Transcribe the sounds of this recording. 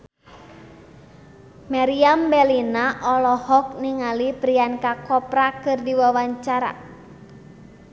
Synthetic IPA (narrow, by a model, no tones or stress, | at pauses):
maɾiambɛlinaʔɔlɔhɔk̚niŋalipɾiankakɔpɾakɨrdiwawaɲt͡ʃaɾa̰